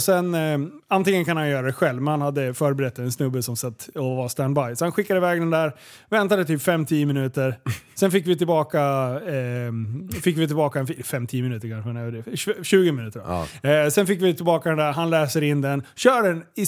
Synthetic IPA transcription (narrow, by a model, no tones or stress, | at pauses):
sɛnant̪ɪŋənkʰanhanjœːɾad̪ɛɧɛlvmɛnhanhad̪ːəfœːɾbɛɾɛt̪ːɛnsnɵbːəsɔmsat̪ːɔvaɾst̪ænd̪bajsɔhanɧɪkːad̪əvɛːɡd̪ɛnd̪æɾ | vɛnt̪ad̪ət̪ʰyːpfɛmːt̪ʰiːəmɪnʉ̟ːt̪əɾsɛnfɪkvɪt̪ɪlbɑːka | fɪkːvɪt̪ʰɪlbɑːkaɛnffɛmːt̪ʰiːəmɪnʉt̪əɾkʰanʂmɛnɛd̪ɛɕʉ̟ːɡəmɪnʉ̟ːt̪əɖɔ̰sɛnfɪkːvɪt̪ʰɪlbɑːkad̪ɛnd̪æɾɦanlɛːsəɾɪnd̪ɛnɕœːɖɛnɪ